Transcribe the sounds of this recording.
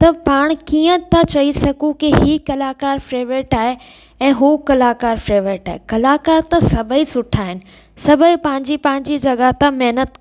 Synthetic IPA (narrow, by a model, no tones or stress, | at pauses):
t̪ɐpaːɽ̃kiə̃t̪at͡ɕɐɦisɐɡũkiɦikɐlaːkaːɾfɾeːʋeːʈaːɦe | ɛ̃ːɦukɐlaːkaːɾfɾeːʋɾeːʈaːɦekɐlaːkaːɾt̪ɐsɐbʱəisʊʈʰaːɦɪnɪ̆ | sɐbʱəipɐ̃ɦɪ̃ɲd͡ʑipɐ̃ɦɪ̃ɲd͡ʑid͡ʑɐɠat̪amɛɦnət̪